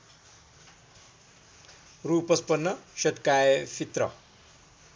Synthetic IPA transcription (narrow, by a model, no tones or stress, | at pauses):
ruːpʌspʌnːʌɕʌt̪kajefʰit̪rʌ̰